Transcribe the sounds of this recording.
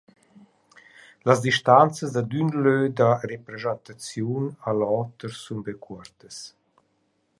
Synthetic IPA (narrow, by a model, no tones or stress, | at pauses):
lazd̪iʃt̪ant͡səsd̪ad̪ynlød̪arepɾezant̪at͡sjunalɔt̪əɾsunbekʰuɾt̪əs